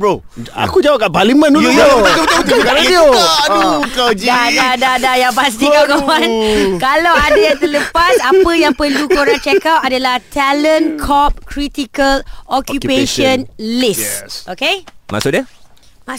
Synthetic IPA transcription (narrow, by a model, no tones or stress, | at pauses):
bo | a̰kud͡ʒawakaʔpalimə̃nuuoakəət̪ikaɾaioukad͡ʒadadadajapas̬t̪ikakoankalawadajaŋt̪ələpasapəjaŋpərlukoɾant͡ʃɛkawʔadalaht̪ʰalə̃nkʰɔp̚kɾit̪ikəlɔkjupeʃə̃nlisokema̰ʔsʊdiəma